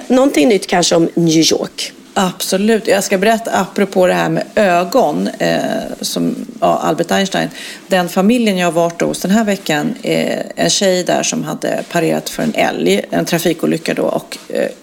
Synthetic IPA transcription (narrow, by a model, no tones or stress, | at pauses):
nɔnt̪ɪŋnʏt̪ːkʰanʂəɔmnjʉːjɔ̰ːɾk | ʔab̥sɔlʉ̟ːt̪jɑɡskabɛɾɛt̪ːaapːɾɔpʰoːd̪ɛɦæːɾmɛ̰ːøːɡɔn | sɔma̰ʔa̰lbɛʈ̪aɪnʂʈa̰ɪnd̪ɛnfamɪljənjɑːhaɾvɑːʈ̚ːdɔ̰hʊsd̪ɛnɦæːɾvɛkːanɛnɕɛjd̪æ̰ːʂɔmɦad̪ːə̰pʰaɾeːɾa̰t̪fœɾɛ̰nɛ̰ljɛnt̪ʰɾafiːkuːlʏkːad̪o̰ʔɔ̰k